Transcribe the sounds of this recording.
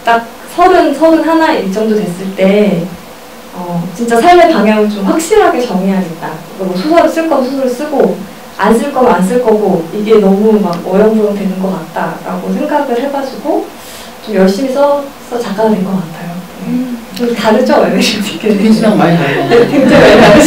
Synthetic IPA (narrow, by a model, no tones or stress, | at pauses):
t͈ak̚ | sʰʌɾɯnsʰʌɾɯnɦanaikt͡ɕ͈ʌmdotwe̞s͈ɯɭt͈e̞ | ʌt͡ɕint͡ɕ͈asʰaɭme̞paŋjaŋint͡ɕomɸwak̚ɕ͈iɾɦaɡet͡ɕʌŋiɦaɡet̚t͈akɯɡʌɡosʰosʰʌɾɯs͈ɯɭk͈ʌnsʰosʰʌɾɯɭs͈ɯɡo | a̰ns͈ʰɯɭk͈ʌmans͈ɯɭk͈ʌɡoiɡe̞nʌmumakʌjʌŋbuʌŋdwe̞nɯnɡʌk͈at̚t͈aɾaɡosʰe̞ŋɡaɡɯɭɦe̞bad͡ʑ͈uɡo | t͡ɕomjʌɭɕ͈imisʰʌ | sʰʌt͡ɕak͈anadwenkʌk͈atʰajo | ɯtaɾɯd͡ʑʰʌmaeɕimt͡ɕʰi̥k͈eamaiaekeŋd͡ʑaŋaa